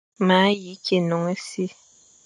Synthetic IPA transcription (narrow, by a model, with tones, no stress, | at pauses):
ma˨˦ji˨˦kʰe˨nɔ˨ŋe˦si˦